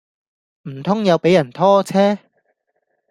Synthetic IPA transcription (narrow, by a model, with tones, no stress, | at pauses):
m̩˨˩t̪ʰʊ˥ŋjɐ˨˧wpe˨˥jɐ˨˩nt̪ʰɔː˥t͡sʰɛː˥